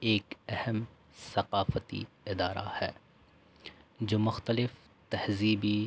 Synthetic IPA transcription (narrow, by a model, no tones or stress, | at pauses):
eːkɛhəm | sɐqaːfət̪ḭ | ɪd̪aːɾa̰hɛ̰ː | d͡ʒoːmʊxt̪əlɪf | t̪ɐhziːbi